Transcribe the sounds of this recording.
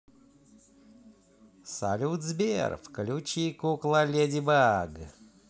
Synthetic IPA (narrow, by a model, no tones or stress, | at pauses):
sa̰lʲut̪zbʲḛrfkəlʲut͡ɕikuklˠalʲed̪ʲibaɡ